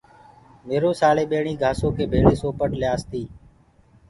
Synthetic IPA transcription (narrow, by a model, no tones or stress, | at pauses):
meːɾoːsaːleːɓeːɳiːɡʱaːsoːkʰeːbʱeːɭeːsoːpəʈlɪjaːst̪iː